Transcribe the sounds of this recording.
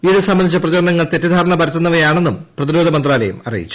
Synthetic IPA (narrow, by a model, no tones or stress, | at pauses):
iðesɐmːɐnd̪it͡ɕːɐprɐt͡ɕɐɾɐɳɐŋːɐɭt̪e̞tːɐd̪ʱaːɾɐɳɐbɐɾɐt̪ːɐnːɐʋɐjaːɳe̞nːumprɐðiɾoːd̪ʱɐmɐnd̪raːlɐjɐmɐ̰rḭjḭt͡ɕːu̥